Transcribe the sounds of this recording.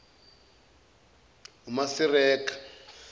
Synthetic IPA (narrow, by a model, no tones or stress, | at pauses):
ɦumasirɛːkḁ